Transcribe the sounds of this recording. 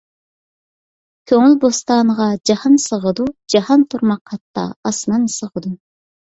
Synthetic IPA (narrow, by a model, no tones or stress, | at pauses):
kʲʰøŋylbost̪ɑːnəʁɑd͡ʒɑhɑnsəʁəd̪ud͡ʒɑhɑnt̪ʰuɾmɑqhɑt̪ːɑ̰ɑsnɑnsəʁəd̪u